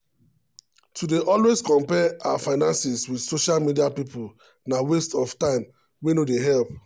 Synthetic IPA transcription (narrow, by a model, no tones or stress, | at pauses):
tudeʔɔlweskɔ̃mpɛawafaɪnãnsiswidsoʃalmidiapipul | nawestɔftãɪ̃m | wenodeɦɛlp